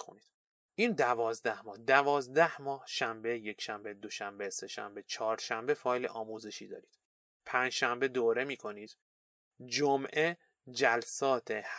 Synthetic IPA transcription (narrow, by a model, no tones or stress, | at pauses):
kʰoniːd̪̥ | iːnd̪ævɒːzd̪æhmɒːhd̪ævɒːzd̪æhmɒːhʃæmbeje̞cʰʃæmbe̞d̪o̞ʃæmbese̞ʃæ̰mbe̞t͡ʃʰɒːɾʃæmbe̞fɒːjleʔɒːmuːzeʃiːd̪ɒ̰ːɾiːd̪̥ | pʰænd͡ʒʃæmbe̞d̪oːɾe̞miːkʰo̞niːd̪̥ | d͡ʒomʔe | d͡ʒælsɒːt̪ʰeh